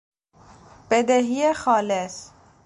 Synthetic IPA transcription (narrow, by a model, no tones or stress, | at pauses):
b̥ed̪eɦiexɒːles